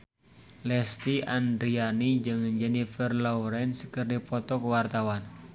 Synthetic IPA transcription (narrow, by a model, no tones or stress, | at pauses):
lɛst̪iʔand̪ɾianid͡ʒɨŋəɲd͡ʒənifɛrlɔuɾɛnskɨrdipɔt̪ɔkəwart̪awan